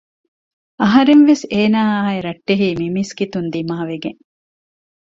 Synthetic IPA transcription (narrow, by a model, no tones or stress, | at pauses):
ɐɦɐɾenʋeseːnaːaːeɾɐʈːeɦiːmimiskit̪und̪imaːʋeɡeŋ